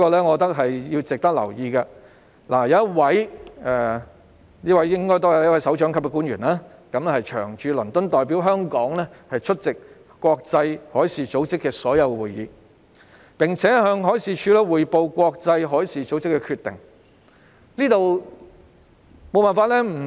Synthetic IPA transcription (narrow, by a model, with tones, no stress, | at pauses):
i˥kɔː˧lɛː˥ŋɔː˨˧t̪ɐ˥k̚ɦɐ˨jji˧wt͡sɪ˨k̚t̪ɐ˥k̚lɐ̰˨˩wjiː˧kɐ˧ | laː˨˩jɐ˧˦wjɐ˥t̚wɐ˨˥jɛ˨ | niː˥wɐ˨˦jɪ˥ŋkɔː˥jt̪oː˥jɐ˨˧wɐ˥wɐ˨˥jsɐ˨˥wt͡ʃœː˨˥ŋkʰɐ˥p̚kɛ˧k̬uː˨˥njɥyː˨˩nlaː˦˥kɐ˨˧mlɛ˥hɐ˨jt͡ʃʰœ̰ː˨˩ŋt͡ʃyː˧lɵ˨˩nt̪ɵ˥nt̪ɔː˨jpiː˨˥wɦœː˥ŋkɔː˨˥ŋlɛː˥hɐ˨jt͡ʃʰɵ˥t̚t͡sɪ˨k̚ | kʷɔː˧k̚t͡sɐ˧jhɔː˨˥jsiː˨t͡so˨˥wt͡sɪ˥kːɛː˧sɔː˨˥jɐ˨˧wwuː˨jːḭː˨˧ | pɪ˨˩ŋt͡sʰɛː˨˥ɦœː˧ŋɦɔː˨˥jsiː˨˧t͡ʃʰyː˧lɛ˥wuː˨jpo˧wkʷɔː˧k̚t͡sɐ˧jɦɔː˨˥jsiː˨t͡so˨˥wt͡sɪ˥kːɛː˧kʰyː˧t̪ːɪ̰˨ŋ | niː˥t̪o˨w | mo˨˧wpaː˨nfaː˧t̚lɛ˥m̩˨˩